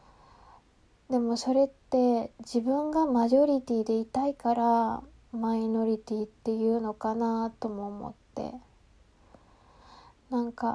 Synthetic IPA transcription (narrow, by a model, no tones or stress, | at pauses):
d̪e̞mo̞so̞ɾe̞t̪ːe̞d͡ʑibɯ̟̃ŋɡamaʑo̞ɾʲit̪ʲiːd̪e̞it̪aikaɾa | maino̞ɾʲit̪ʲiːt̪ːe̞jɯ̟ːno̞kanat̪o̞mo̞ːmo̰t̪ːe̞̰ | nãŋka